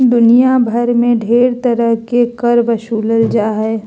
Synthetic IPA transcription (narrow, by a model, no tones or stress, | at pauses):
d̪ʊnijabʱɐɾmẽɖʱeːɾt̪ɐɾəɦkekəɾbəʃuːləld͡ʒaːɦɛː